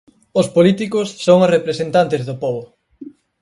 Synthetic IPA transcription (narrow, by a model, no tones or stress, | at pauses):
ʊspolit̪ikʊsːoŋosrepɾesent̪ant̪ezðopɔβʊ